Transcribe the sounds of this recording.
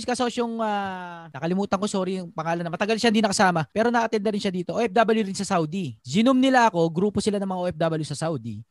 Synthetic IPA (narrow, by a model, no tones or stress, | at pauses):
skɐsoːʃoŋaɐːkɐlɪmuːt̪ɐŋko̞soːɾiŋpɐŋaːlɐnːɐmɐt̪ɐɡɐlʃahind̪inɐkɐsaːmɐpɛːɾonɐʔɐt̪ɛnd̪ɐɾɪnʃɐd̪iːt̪oʔoːʔɛp̚d̪aːbɐljuɾɪnsɐsawd̪izɪnomnɪlaʔɐko̞ɡɾuːposɪlanɐŋmɐŋaʔoʔɛp̚d̪aːbɐljusɐsawd̪i